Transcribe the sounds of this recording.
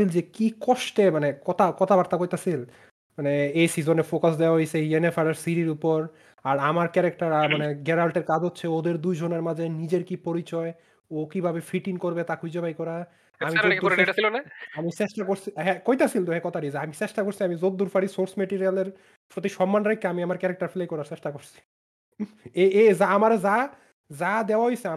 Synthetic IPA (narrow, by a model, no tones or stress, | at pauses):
ild͡ʑekikɔʃʈemanekɔt̪ʰakɔt̪ʰabaɾt̪akojt̪asil | maneejsizonefokas̬d̪ewaɦojsejenefʰaɾeɾsiɾiɾupoɾ | aɾamaɾkɛɾek̚ʈaɾamaneɡɛɾalʈeɾkad͡ʑotːʰeod̪eɾd̪ujd͡ʑʱoneɾmad͡ʑʱenid͡ʑeɾkipoɾit͡ɕɔe | okibʱabefiʈiŋkoɾbet̪akʰujd͡ʑobajkɔɾa | amiod̪oɾɾasilonaamiseʃʈakoɾsʰiɦɛkojt̪asʰilt̪oɦɛkɔt̪ʰaʈid͡ʑaamiseʃʈakoɾsʰiamizod̪ːuɾfaɾisoɾsmɛʈiɾialeɾ | pɾot̪iʃɔmːanɾajkːeamiamaɾkɛɾek̚ʈaɾfelejkɔɾaɾt͡ɕeʃʈakoɾsʰi̥ | eezaamaɾd͡ʑa | d͡ʑad̪eoaɦojsea